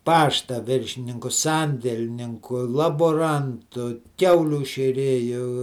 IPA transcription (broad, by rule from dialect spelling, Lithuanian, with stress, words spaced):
ˈpɑːʃtɐ ˈʋʲɪrʲʃʲɪnʲɪŋkʊ ˈsɐnʲdʲɛlʲnʲɪŋkʊ lˠɐboːˈrɐntʊ ˈkʲɛʊlʲuː ʃʲeːˈrʲeːjʊ